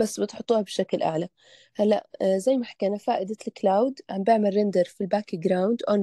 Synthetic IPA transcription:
basːbɪt̪ħʊt̪ˤːuːhabɪʃaklʔa̰ʕla | halːaʔzajːmaħḁkanafaːʔɪd̪alɪklaːwd̪ʕambɪʕmalːɪnd̪ɑɾˤfilbaːkɡɾˤawnd̪ʔon

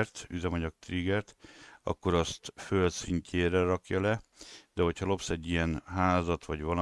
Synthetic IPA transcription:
rt̪yzɛmɒɲɒk̚t̪ɾiɡɛrt̪ɒ̰kːo̞ɾɒst̪følsiɲcʰeːɾɛɾɒkjɒlɛd̪̥ɛɦo̞chɒlo̞psɛɟːijɛnɦaːzɒt̪ʋɒɟʋɒl

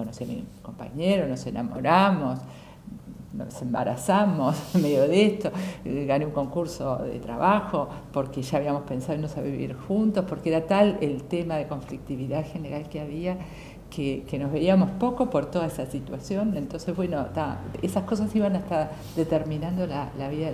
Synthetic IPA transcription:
konosiamḭko̞mpa̰ɲeɾono̞sena̰mo̞̰ɾamos | no̰semba̰ɾa̰samo̞smeðjoðest̪oɣaneuŋko̞ŋkuɾsoðḛt̪ɾa̰βaxo̞po̞ɾkeʒaːβiamo̞hspe̞nsaðoinːosaβiβḭɾxunt̪ospo̞ɾkeeɾat̪alelt̪emaðeko̞ɱflik̚t̪iβiðaðxe̞ne̞ɾalkeaβia | kʰekeno̞zβe̞iamo̞spo̞kopo̞ɾt̪o̞ð̞aesasit̪wasjo̞nent̪o̞nsezβwe̞not̪a̰esahko̞sasiβanaeht̪aɾ | ðet̪eɾmĩnãnd̪olalaβiða

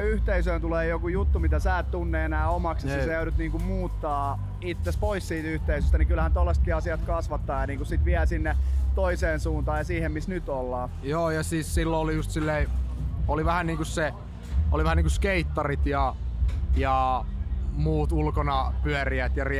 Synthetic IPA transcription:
yht̪eisøːnt̪uleːjokujut̪ːumit̪æsæːt̪t̪unːeːenæːomɑksjɑssejøydut̪niːŋkummuːt̪ːɑː | it̪ːespoissiːt̪yht̪eisøst̪ænikylhænt̪olːest̪kiɑsiɑt̪kɑsʋɑt̪ːɑːjɑniːŋkussit̪ʋiælsinːet̪oiseːnsuːnt̪ɑːjɑsiːhemmisnyt̪olːɑː | joːjɑsiːssilːoolijust̪silːeioliʋæhænniːŋkusse | o̰liʋæhæniŋkuskeit̪ːɑrit̪jɑ | jɑ | muːt̪ulkonɑpyæriæt̪jɑri

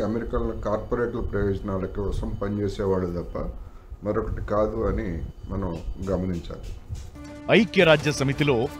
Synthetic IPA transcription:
ɐmeɾikɐlɐnokaːɾpɐɾeːʈɐlɐpɾɐjɔːd͡ʒɐnaːlɐkiɔsɐmpɐnt͡ʃeːsɛːʋaːɭːud̪ɐpːɐ | mɐɾɔkɐʈikaːd̪uɐnimɐnɐmɡɐmɐniɲt͡ʃa̰ːli | ɐjkjɐɾaːd͡ʒjɐsɐmit̪ilo̞ː

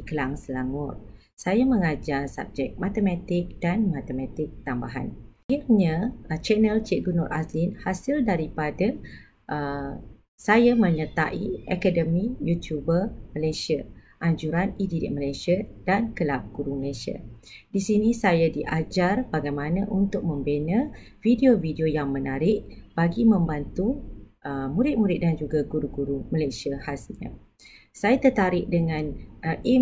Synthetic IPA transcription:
ikəlaŋsəlaŋʊr | sajaməŋad͡ʒarsa̰b̚d͡ʒɛk̚mat̪əmat̪ɪk̚d̥anmat̪əmat̪ɪk̚t̪ambaɦa̰nairɲãt͡ʃɛnəlt͡ʃeɡunɔrʔaslinhasɪldaɾipada | ʔə | sajamə̃ɲət̪a̰ʔiakadəmijut̪jubərməlasia | ʔaɲd͡ʒuɾanididḭʔ̚məlajsiadankəlap̚ɡ̥uɾuməlasia̰disinisajadiʔad͡ʒarbaɡajmanãʔunt̪ʊk̚mə̃mbenəvideovideojaŋmənaɾɪʔ̚b̥aɡimə̃mbant̪u | əmuɾɪt̪̚muɾɪt̪̚dand͡ʒuɡaɡuɾuɡuɾuməlasiahasɲa̰ | sajat̪ət̪aɾɪʔ̚dəŋãnʔi

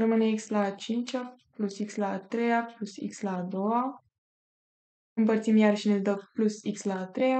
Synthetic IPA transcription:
rəmɨneikslat͡ʃint͡ʃʲaplusikslaːt̪ɾejaplusḭkslaːd̪o̞wa | ɨmpərt̪simjarʃined̪əplusikslaːt̪ɾe̞ja

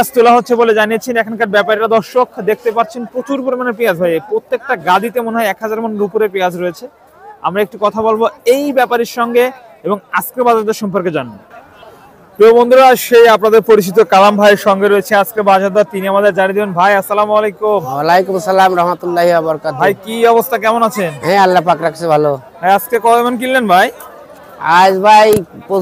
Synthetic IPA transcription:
ast̪olaɦotːɕʰeboled͡ʑanijet͡ɕʰenɛkʰankaɾbɛpaɾeɾad̪ɔɾʃokd̪ek̚ʰt̪epaɾt͡ɕʰenpɾot͡ɕuɾpoɾmaneɾpiad͡ʑbʱajepɾot̪ːek̚ʈaɡad̪it̪emoneɦɔeɛkɦad͡ʑaɾmonupuɾepead͡ʑɾoet͡ɕʰe | a̰mɾaek̚ʈukɔt̪ʰabolboejbɛpaɾiɾʃɔŋɡe | eboŋaskɾebad͡ʑad̪aɾʃɔmpoɾked͡ʑanːo | pɾiobond̪ɾoɾaʃejapnad̪eɾpoɾit͡ɕʰit̪okalambʱajeɾʃɔŋɡeɾoet͡ɕʰead͡ʑkebad͡ʑaɾd̪at̪iniamad̪eɾd͡ʑaɽid̪ibenbʱajasːalamalejkumwalajkumsalamɾaɦmat̪ulːaɦiabɔɾkabʱajkiɔbost̪ʰakɛmonat͡ɕʰenɦɛ̃alːapakɾakt͡ɕʰebʱalo | ɦajaskekɔemank̬ilːenbʱaj | ad͡ʑbʱajpo

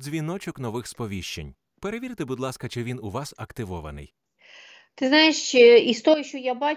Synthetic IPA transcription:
zʲʋʲinɔt͡ʃɔknɔʋɪxspɔʋʲiʃt͡ʃḛnʲ | pe̞ɾeʋʲiɾɪt̪ebud̪lˠɑskɐt͡ʃɪʋʲinʊʋɑsɐkt̪ɪʋɔʋɐ̰nɪ̰j | t̪ɪznɑjeʃt͡ʃeist̪ɔjɛʃt͡ʃɔjabɑ

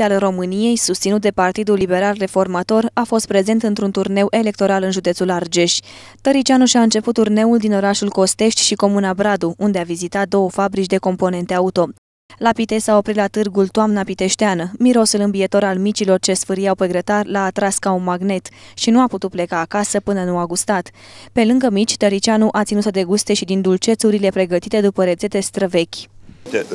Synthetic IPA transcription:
alro̞mɨnije̞jsust̪sinut̪̚d̪epart̪id̪ulːibe̞ɾalre̞fo̞rmat̪o̞rafo̞st̪̚pɾe̞ze̞nt̪ɨnt̪ɾunt̪urne̞wʔe̞le̞k̚t̪o̞ɾalɨnʒud̪e̞t̪sulard͡ʒe̞ʃʲ | t̪əɾit͡ʃianuʃʲiaɨnt͡ʃe̞put̪ːurne̞uld̪ino̞ɾaʃulko̞st̪e̞ʃt̪ʲʃiko̞munabɾad̪uund̪e̞avizit̪at̪̚d̪o̞wəfabɾit͡ʃd̪e̞ko̞mpo̞ne̞nt̪eaut̪o̞ | lapit̪e̞sao̞pɾit̪lat̪ɨrɡult̪oamnapit̪e̞ʃt̪eanəmiɾo̞sulɨmbiet̪o̞ɾalmit͡ʃilo̞rt͡ʃe̞sfɨɾijawpeɡɾət̪arlaːt̪ɾaskaunmaɡne̞t̪ʃinuaput̪ut̪̚ple̞kaːkasəpɨnənuaɡust̪at̪pe̞lɨŋɡəmit͡ʃʲt̪əɾit͡ʃianuʔat̪sinut̪əd̪e̞ɡust̪e̞ʃid̪ind̪ult͡ʃe̞t̪suɾile̞pɾe̞ɡət̪it̪e̞d̪upəɾe̞d̪ze̞t̪e̞st̪ɾəve̞kʲ

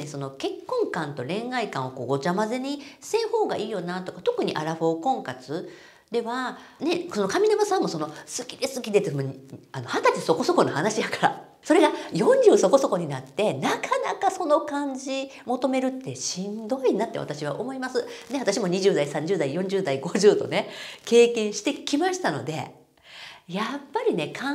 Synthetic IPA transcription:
neso̞no̞ke̞kːõ̞ŋkãnt̪o̞ɾẽ̞ŋ̃aikãɰ̃o̞ko̞ːɡo̞t͡ɕamazeɲ̟isẽ̞ːho̞ːɡa̰ʔiːjo̞nat̪o̞kat̪o̞kɯ̟ɲ̟iʔa̰ɾaɸo̞ːkõ̞ŋkat͡sɨ | d̪e̞βa | ne̞sono̞kamʲinamasãmːo̞so̞no̞sɨ̥kʲi̥d̪e̞sɨkʲid̪e̞t̪ːmoɲano̞hat̪at͡ɕiso̞ko̞so̞ko̞no̞hanaɕijakḁɾa̰ | so̞ɾe̞ɡajõ̞ɲd͡ʑɨːso̞ko̞so̞ko̞ɲ̟inat̪ːe̞nakʰana̰kaso̞no̞kãɲ̟d͡ʑi | mo̞t̪o̞me̞ɾɯ̟t̪ːe̞ɕĩnd̪o̞inat̪ːe̞βa̰t̪aɕiβa̰ʔo̞mo̞imasɨne̞at̪aɕimo̞ɲ̟iʑɨːd̪aisãɲ̟d͡ʑɨːd̪aijõ̞ɲ̟d͡ʑɨːd̪aiɡo̞ʑɨːd̪o̞̰ne̞ke̞ːkẽ̞ɰ̃ɕi̥t̪e̞kʲimaɕi̥t̪ano̞̰d̪e̞̰ | japːaɾʲine̞kʰa

